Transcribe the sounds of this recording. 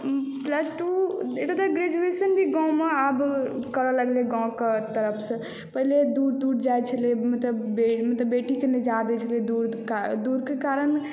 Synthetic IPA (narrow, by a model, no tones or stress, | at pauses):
pləsʈuet̪at̪əɡɾed͡ʒuesənbʱiɡãw̃meabkəɾələɡleɡãw̃ket̪əɾəpʰsə̃ | pəɦiled̪uɾd̪uɽd͡ʒajt͡ʃʰəlemət̪ləbemət̪ləbːeʈikened͡ʒad̪ɛt͡ʃʰəled̪uɾkad̪uɾkekaɾən